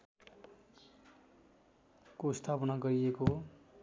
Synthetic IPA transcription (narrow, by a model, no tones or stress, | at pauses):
kost̪ʰapʌnaɡʌɾieko